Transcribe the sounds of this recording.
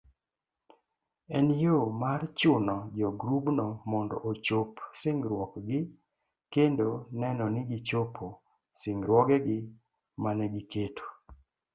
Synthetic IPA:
ɛnjomart͡ʃʊnɔd͡ʒɔɡɾubnɔmɔndɔ̰ʔot͡ʃopsɪŋɡɾwɔkɡɪ | kendonɛnɔnɪɡɪt͡ʃopʰo | sɪŋɡɾwɔɡɛɡɪ | manɛɡɪketʰo̥

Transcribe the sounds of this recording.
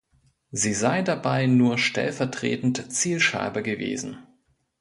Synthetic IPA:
ziːzaɪdabaɪnuːɐʃtʰɛ̰lfɛɐtʁ̥ḛːtn̩tt͡siːlʃa̰ɪbɐɡəvḛːzn̩

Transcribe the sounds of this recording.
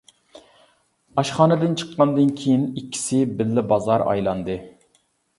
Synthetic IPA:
ɑʃχɑːnɨd̪ɨnt͡ʃʰə̥qːɑnd̪ɨnkʲʰejinikʲːi̥sɪbɪlːɪbɑzɑɾɑ̰jlˠɑnd̪ɨ

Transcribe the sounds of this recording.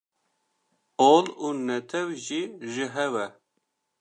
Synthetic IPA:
oluːnɛt̪ʰɛwʒiːʒɨɦɛwɛ

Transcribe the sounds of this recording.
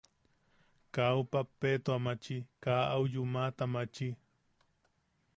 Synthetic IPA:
kawpapet̪oamat͡ʃikaawjʊmat̪amat͡ʃi

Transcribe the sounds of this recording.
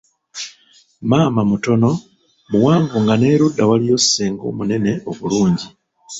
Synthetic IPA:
maːmamuto̞no̞ | muwaːŋvuŋɡane̞ːɾudːawalijo̞sseːŋɡo̞̰ːmune̞ne̞ʔo̞βuluːɲɟi

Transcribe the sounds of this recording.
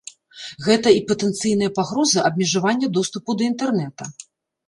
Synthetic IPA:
ɣɛt̪ɐipɐt̪ɛnt̪sɨjnɨjɐpaɣɾɔzɨʔɐb̚ʲmʲɛʐavanʲːɐd̪ɔst̪upud̪ɐint̪ɛrnɛt̪ɐ

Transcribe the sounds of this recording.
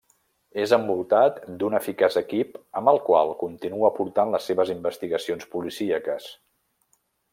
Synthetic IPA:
ezəmbulˠt̪at̪d̪unəfikazəkipəmbəlˠkwa̰lˠkunt̪inuəpuɾt̪anləsːeβəzimbəst̪iɣəsionspulisiəkəs

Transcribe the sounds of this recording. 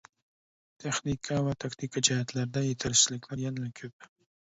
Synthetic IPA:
t̪ʰeχnikʰavat̪ʰakt̪ʰikʰad͡ʒaɦat̪laɾd̪ajet̪ʰaɾɪt͡ʃɪlɪkʰʲlaɾjanlakʲʰɵp̚

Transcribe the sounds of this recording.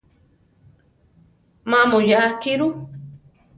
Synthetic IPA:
mamojaakiɾu

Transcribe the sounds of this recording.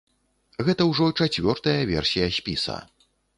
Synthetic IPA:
ɣɛt̪ɐwʐɔt͡ʂat͡sʲvʲɔrt̪ɐjɐvʲɛ̰rsʲijɐsʲpʲisɐ̰

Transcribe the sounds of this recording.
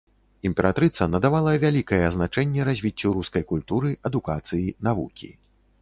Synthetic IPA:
imʲpʲɛɾat̪ɾɨt̪sɐnɐd̪avalˠɐvʲalʲikɐjɛːznat͡ʂɛnʲːɛɾazʲvʲit͡sʲːuɾuskɐjkulʲt̪uɾɨɐd̪ukat̪sɨjinavṵkʲḭ

